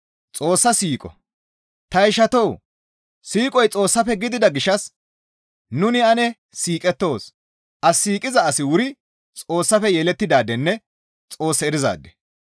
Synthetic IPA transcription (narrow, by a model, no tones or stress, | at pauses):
t͡sʼo̞ːsːɐsiːkʼɔ̰ | t̪ɐɪʃɐt̪ɔw | siːkʼɔjt͡sʼo̞ːsːɐfɛɡɪd̪ɪd̪ɐɡɪʃɐs | nʊnɪɐnɛ | siːkʼɛt̪ːo̞ːs | ʔɐsiːkʼɪzɐːsɪwʊɾɪ | t͡sʼo̞ːsːɐfɛjɛlɛt̪ːɪd̪aːd̪ɛnːɛ | t͡sʼo̞ːsːɐɛɾɪza̰ːd̪ːɛ̥